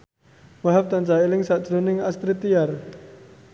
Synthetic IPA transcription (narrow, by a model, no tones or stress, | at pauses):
waɦap̚t̪ant͡ʃailɪŋsaʔd͡ʒ̥ɾonɪŋast̪ɾit̪ijar